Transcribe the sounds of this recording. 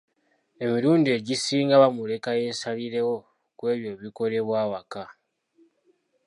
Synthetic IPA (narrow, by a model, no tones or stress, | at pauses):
e̞miɾuːndie̞ɟisiːŋɡaβamule̞kaje̞ːsaliɾe̞wo̞ | kwe̞ːβjo̞βiko̞le̞βwaːwaka